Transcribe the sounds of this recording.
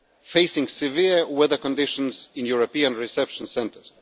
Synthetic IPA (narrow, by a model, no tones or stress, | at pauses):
feɪsɪ̃ŋsɪviɹwɛðə˞kɔ̃ndɪʃɔ̃nzɪ̃njuɹopiãnɹɪsɛpʃɔ̃nsɛ̃ntə˞z